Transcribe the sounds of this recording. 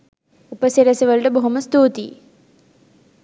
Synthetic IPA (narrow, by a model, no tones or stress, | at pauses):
upəsiɾɐsɐʋɐlʈəboɦuməst̪uːt̪ḭ